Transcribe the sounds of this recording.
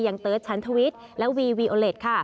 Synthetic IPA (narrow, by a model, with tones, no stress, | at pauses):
ja˧˩ŋt̪ɤː˦˥˩t̪̚t͡ɕʰa˦˥nt̪ʰa˧wi˦˥t̪̚lɛ˦˥wiː˧wiː˧ʔoː˧le˨˩t̪̚kʰa˥˩